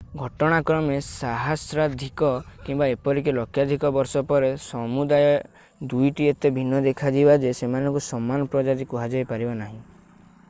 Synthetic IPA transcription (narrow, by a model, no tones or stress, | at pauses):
ɡʱɔʈɔɽ̃akɾɔmesaɦasɾad̪ʱikɔkimbaepɔɾikelɔkʰːjad̪ʱikɔbɔɾsɔpɔɾesɔmud̪ajɔ | d̪ujʈiet̪ebʱinːɔd̪ekʰad͡ʒibad͡ʒesemanɔ̃ŋkusɔmːanɔpɾɔd͡ʒat̪ikuɦad͡ʒɔjpaɾibanaɦĩ